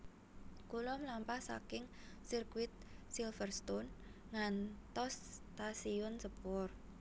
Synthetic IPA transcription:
kulɔmlampahsa̰kɪŋ | sirkwɪt̪̚silfərst̪ɔn | ŋant̪ɔst̪asiɔnsəpʊr

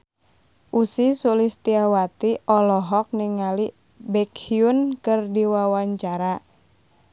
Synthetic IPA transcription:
ʔusisulist̪iawat̪iʔɔlɔɦɔk̚niŋali | bɛkhiunkɨrdiwawaɲt͡ʃaɾa

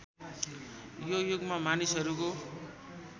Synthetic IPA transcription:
jojoɡmamanisʌɾuko

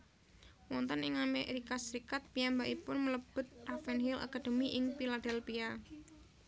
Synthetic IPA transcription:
wɔnt̪ənɪŋameɾikasəɾikat̪̚pijambaʔipʊnmələb̥ʊ̤t̪̚rafɛnhilʔa̰kad̥e̤miʔɪŋpilad̥ɛlpia

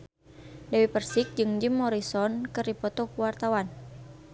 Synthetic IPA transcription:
dɛwipərsik̚d͡ʒɨŋd͡ʒimːɔɾisɔnkɨrdipɔt̪ɔkuwart̪awan

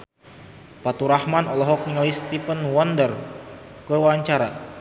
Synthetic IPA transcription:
pat̪uɾahmanɔlɔɦɔk̚niŋalist̪ipənwɔndər | kəwaɲt͡ʃaɾa

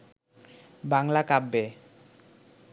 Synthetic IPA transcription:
baŋlakabːe

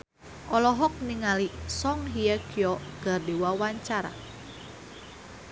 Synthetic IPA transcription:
ʔɔlɔɦɔk̚niŋalisɔŋɦijəkijɔɡ̥a̤rdiwawaɲt͡ʃaɾa̰

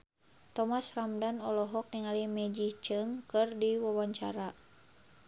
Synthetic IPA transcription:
t̪ɔmasramdanɔlɔɦɔk̚niŋalimɛd͡ʒiht͡ʃɨŋkɨrdiwawaɲt͡ʃa̰ɾa

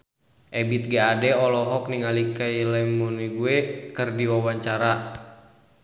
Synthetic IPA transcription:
ʔɛbit̪̚ɡaadɛɔlɔɦɔk̚niŋalikailɛmuniɡuɛkɨrdiwawaɲt͡ʃaɾa

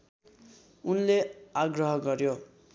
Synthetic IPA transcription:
unleaɡrʌɦʌɡʌɾjo

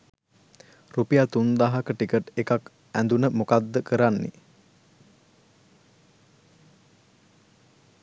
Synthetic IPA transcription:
rupijat̪und̪aɦakəʈikəʈekak | ænd̪unəmokad̪ːəkəɾanːḭ

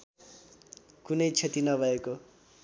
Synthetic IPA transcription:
kunʌjt͡sʰet̪inʌbʱʌeko

